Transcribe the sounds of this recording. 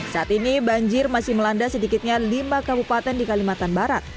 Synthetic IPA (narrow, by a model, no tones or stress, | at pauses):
saʔat̪inibaɲd͡ʒɪrmasɪhməlandasədikɪt̪̚ɲalimakabupat̪ɛndikalimat̪anbaɾat̪̚